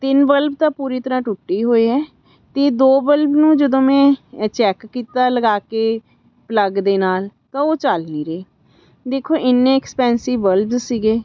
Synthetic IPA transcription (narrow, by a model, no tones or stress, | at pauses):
t̪ɪnbəlb̚t̪ãːpuːɾiːt̪əɾãːʈʊʈːiːɦoːiːɦɛː | t̪eːd̪oːbəlbnũːd͡ʒəd̪õːmɛ̃ːt͡ʃɛːkːiːt̪aːləɡaːkeː | pləɡd̪eːnaːlt̪ãːoːt͡ʃalniːɾeː | d̪eːkʰːoːʔɪnːẽːɛkspɛːnsiʋəlbzsiːɡeː